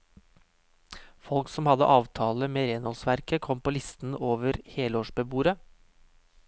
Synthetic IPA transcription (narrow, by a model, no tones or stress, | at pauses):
fɔlksɔmhɑd̪ə̰ʔɑːʋt̪ʰɑːləmeːɾeːnhɔlsʋæɾkəkʰɔmpʰoːlɪst̪n̩oːʋəɾheːləoːʃbəbuːɾə